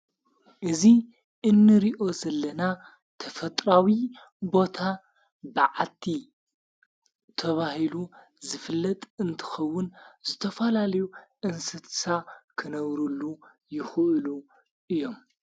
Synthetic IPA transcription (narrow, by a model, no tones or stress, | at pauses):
ʔɨzi | ʔɨnːɨɾiʔo̞zɐlːɐna | t̪ʰɐfɐt̪ʼɾawi | bo̞t̪ʰa | bɨʕat̪ʰi | t̪ʰɐβahilu | zɨfɨlːɐt̪ʼɨnt̪ʰɨ̥xɐwːʊnzɨt̪ʰɐfɐlalɐjuʔɨnsɨt̪ʰsakʰɨnɐβɾulːu | jɪxɨʔɨlu | ʔɨjːo̞m